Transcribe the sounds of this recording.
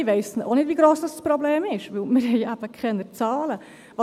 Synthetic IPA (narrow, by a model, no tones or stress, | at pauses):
ɪvɛɪsnʔo̰nɪtdʋiːɡɾoːsd̥ɑsspɾɔbleːmɪʃʋʉlmɪɾɦɛɪæb̥əkʰχɛnːət͡sɑːlə | vɑ